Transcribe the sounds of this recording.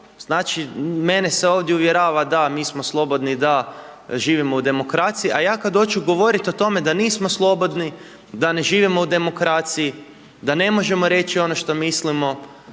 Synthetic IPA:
z̥naːt͡ʃime̞neseo̞ːʋd̪jeuʋje̞ɾaːʋad̪amiːsmoslˠo̞bo̞d̪nid̪aʒiːʋimo̞ud̪e̞mo̞kɾat̪sijiʔajaːkad̪d̪o̞t͡ʃuɡo̞ʋo̞ɾit̪o̞t̪o̞me̞d̪aniːsmoslˠo̞bo̞d̪ni | d̪ane̞ʒiːʋimo̞ud̪e̞mo̞kɾaːt̪siji | d̪ane̞mo̞ʒe̞mo̞ɾe̞t͡ʃio̞no̞ʃt̪o̞mislimo̞

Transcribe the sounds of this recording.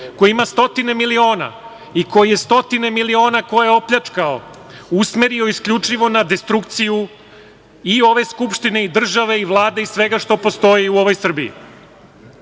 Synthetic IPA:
ko̞jimast̪o̞t̪ine̞milio̞ːna̰ | iko̞jije̞st̪o̞t̪ine̞milio̞ːnakojjeo̞pʎat͡ʂkao̰ | usmeɾio̞iskʎʲut͡ʂiʋo̞nad̪e̞st̪ɾuk̚t̪siju | io̞ʋe̞skupʃt̪ine̞id̪r̩ʒaʋe̞iʋlˠaːd̪eisʋe̞ɡaʃt̪o̞po̞st̪o̞jiuo̞ʋo̞jsr̩biḭ

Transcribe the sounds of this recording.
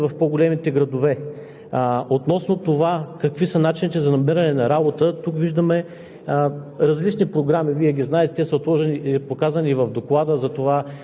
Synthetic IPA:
vɐfpoɡolɛmit̪ɛɡɾɐd̪ovɛ | ot̪nɔsnot̪ovakɐkvisənat͡ʃinit̪ɛzɐnɐmiɾɐnɛnɐɾabot̪ət̪ukviʒd̪əmɛ | ɾɐzlit͡ʃnipɾoɡɾamiviɛɡʲiznaɛt̪ɛt̪ɛsəot̪lˠɔʒɛnipokazəniːvɐvd̪oklˠad̪əzɐt̪ova

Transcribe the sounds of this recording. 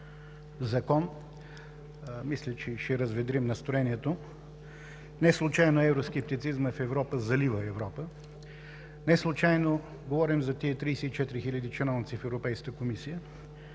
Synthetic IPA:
zɐkɔn | mislʲət͡ʃɛʃɛɾɐzvɛd̪ɾimnɐst̪ɾoɛniɛt̪o | nɛslˠʊt͡ʃajnoɛvɾoskɛp̚t̪it̪sizməfɛvɾɔpəzɐlivəɛvɾɔpə | nɛslˠʊt͡ʃajno | ɡovɔɾimzɐt̪iɛt̪ɾiːsɛit͡ʃɛt̪iɾixilʲɐd̪it͡ʃɛnɔlˠnit̪sifɛvɾopɛjskəkəkomisijə

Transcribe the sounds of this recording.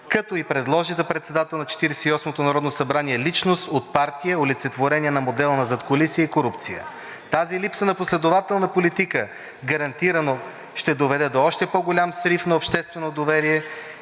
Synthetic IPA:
kɐt̪ɔipɾɛd̪lˠɔʒizɐpɾɛt̪sɛd̪at̪ɛlˠnɐt͡ʃɛ̥t̪iɾɛsɛ̥iɔsmot̪onɐɾɔd̪nosɐbɾaniɛlit͡ʃnost̪ot̪̚paɾt̪ijəolit̪sɛt̪voɾɛniɛnɐmod̪ɛlˠənɐzɐt̪koɐlisijəikoɾupt̪sijə̰ | t̪azilipsənɐposlɛd̪ovat̪ɛlˠnɐpolit̪ikə | ɡɐɾɐnt̪iɾəno | ʃt̪ɛd̪ovɛd̪ɛd̪oɔʃt̪ɛpoɡolʲamsɾifnɐopʃt̪ɛst̪vɛnod̪ovɛɾiɛ

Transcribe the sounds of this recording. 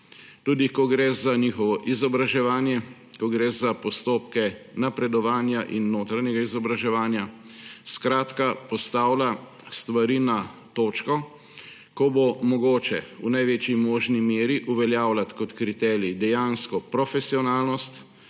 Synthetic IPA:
t̪uːd̪ikɔɡɾɛzaniːxɔʋɔʔizɔbɾaʒɛʋaːnjɛ | kɔɡɾɛːzapɔst̪oːpkɛnapɾɛd̪ɔʋaːnjaʔinːoːt̪ɾaɲɛɡaizɔbɾaʒɛʋaːnja | skɾaːt̪kapɔst̪aːwla | st̪ʋaɾiːnat̪oːt͡ʃkɔ | kɔbomɔɡoːt͡ʃɛunajʋeːt͡ʃimɔːʒnimeːɾiʔuʋɛljaːwlat̪kɔt̪kɾit̪ɛːɾid̪ɛjaːnskɔpɾɔfɛsiɔnaːlnɔst̪

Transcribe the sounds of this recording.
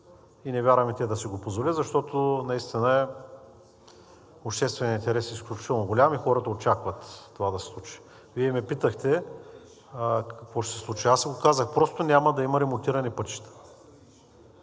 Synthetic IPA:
inɛvʲjaɾvəmit̪iɛd̪ɐsiɡopozvolizɐʃt̪ɔt̪onɐist̪inəɛ | opʃt̪ɛst̪vɛnʲint̪ɛɾɛsisklʲut͡ʃit̪ɛlˠnoɡolʲamixɔɾəd̪ɐot͡ʃakvɐt̪ːovad̪ɐsɛ̥slˠut͡ʃi̥ | viɛmɛpit̪əxt̪ɛ | kɐkvɔʃt̪sɛ̥slˠut͡ʃiasɛɡokazəxpɾɔst̪ʊnʲamɐd̪ɐimɐɾɛmont̪iɾɐnɛpɤt̪ʃi̥t̪ə̥

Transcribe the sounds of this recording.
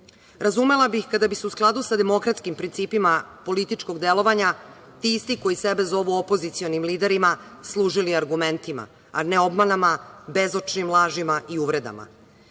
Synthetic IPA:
ɾazume̞labixkad̪abiseusklˠad̪usad̪e̞mo̞kɾat̪skimpɾint̪siːpimapo̞lit̪it͡ʃko̞ɡd̪e̞lo̞ʋaɲat̪iist̪iko̞jisebe̞zo̞ʋuopo̞zit̪sio̞nimliːd̪e̞ɾima | slˠuːʒiliaɾɡume̞nt̪ima̰ | ane̞o̞bmanamabe̞zot͡ʃnimlˠaːʒimaiuʋɾe̞d̪a̰ma̰

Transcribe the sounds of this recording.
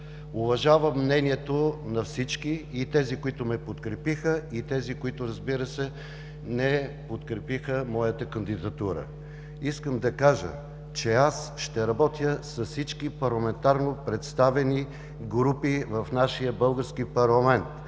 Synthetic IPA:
ʊvɐʒavəmːnɛniɛt̪onɐfsit͡ʃkiit̪ɛzikʊit̪ʊmɛpot̪kɾɛpixəit̪ɛzikoit̪ʊɾɐzbiɾəsɛ | nɛpot̪kɾɛpixəmɔjət̪əkənd̪id̪ɐt̪uɾə̰ | iskəmd̪ɐkaʒə̰ | t͡ʃɛasʃt̪ɛɾɐbɔt̪jəsɐsit͡ʃkipɐɾlˠɐmɛnt̪aɾnopɾɛt̪st̪avɛni | ɡɾupivɐfnaʃijəbɤlˠɡəɾskipɐɾlˠɐmɛnt̪

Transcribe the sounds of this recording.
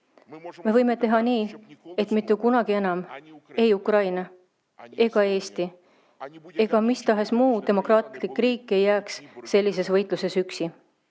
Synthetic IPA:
me̞vɤjme̞t̪e̞ɦɑniːet̪ˑmit̪ːˑukunɑɡ̥ie̞nɑme̞jukrɑjnɑ | e̞ɡ̥ɑe̞ːst̪i | e̞ɡ̥ɑmist̪ɑɦe̞smuːd̪e̞mo̞krɑːt̪likːˑriːkːˑe̞jːæːksse̞lʲːis̬e̞svɤjt̪ˑluse̞syksi

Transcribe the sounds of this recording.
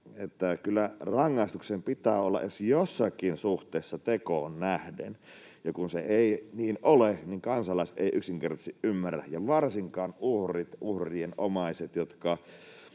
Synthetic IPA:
et̪ːækylːærɑŋːɑˑist̪uksempit̪æːolːɑ̰ʔesjosːɑkinsuht̪ˑeˑːsːɑt̪ekoːnnæhdḛn | jɑkunseeiniːnʔoleniŋkɑnsɑlːˑɑˑise̥t̪ḛiʔyksiŋkert̪ɑ̥siʔʔymːærːæ̰hjɑʋɑrsiŋkɑːnʔuhrit̪ʔuhrienomɑiset̪jot̪kɑ

